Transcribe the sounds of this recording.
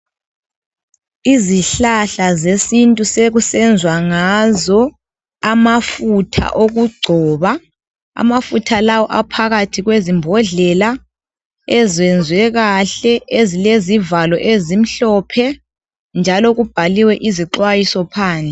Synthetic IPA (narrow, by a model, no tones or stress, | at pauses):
iziɬaɬazesintʼuseɣusɛnd͡zʱwaŋazɔ | amafutʰa̰ʔoɣuɡ͡ǀʱɔːβa | a̰mafutʰalawɔʔapʰaɣatʰiɣwezimbʱɔɮɛla | ɛzɛnd͡zʱwɛɣaɬɛʔezilezivalɔʔezim̩ɬɔpʰɛ | nd͡ʒʱalɔɣub̥ʱaliwɛʔiziǃwajisɔpʰaːnd͡ɮʱɛ